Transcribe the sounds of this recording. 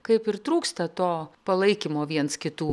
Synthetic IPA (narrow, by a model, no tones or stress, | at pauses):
kɐɪpɪɾt̪ɾuːkst̪ɐt̪oːpɐlˠɐɪkʲɪmoːʋʲiɛnskʲɪt̪uː